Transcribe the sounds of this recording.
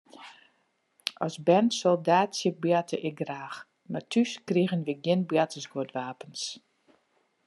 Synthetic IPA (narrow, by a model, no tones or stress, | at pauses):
ʔɔ̰sbɛnsolˠdaːtsək̚bjatʰəʔɪk̚ɡraːx | martʰyskriɣənʋiɡɪnbjatəsɡotʋaːpəns